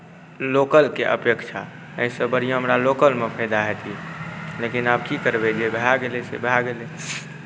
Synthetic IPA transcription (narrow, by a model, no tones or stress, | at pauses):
lokəlkeʔə̰pjəkt͡ʃʰa | ə̰ɦĩsəbəɽ̤ijõɦəmɾalokəlmepʰəjd̪aɦɛt̪ʰilekinabkikəɾbed͡ʒebʱɾaɡelesḛbʱaɡele